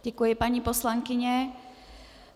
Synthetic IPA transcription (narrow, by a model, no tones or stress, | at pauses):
ɟ̥ɛkujɪpaɲipo̞slaŋkɪɲɛ